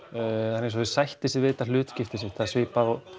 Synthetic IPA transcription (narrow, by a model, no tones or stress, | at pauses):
anes̬ɔɪsajht̪ɪsɪvɪːt̪al̥ʏːt̪scɪft̪ɪsɪt̪ʰasvɪːpaðɔ